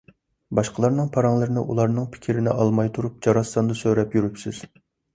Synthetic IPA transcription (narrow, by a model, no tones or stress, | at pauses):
bɑʃqʰəlˠɑɾnɨŋpʰɑɾɑŋlˠɨɾɪnɪʔulˠɑɾnɨŋpʰɪ̥kʲʰiɾɪnɪ̰ʔɑlˠmɑjt̪ʰuɾup̚d͡ʒɑɾɑsːɑnd̪ɑsøɾɛpjyɾypsɪz̥